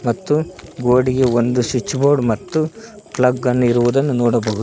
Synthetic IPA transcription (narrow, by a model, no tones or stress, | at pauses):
mɐt̪ːuɡoːɽiɡeond̪uʃit͡ʃːboːɾɖmɐt̪ːu | plɐɡːɐnːuiɾuʋud̪ɐnːunoːɽɐbɐɦud̪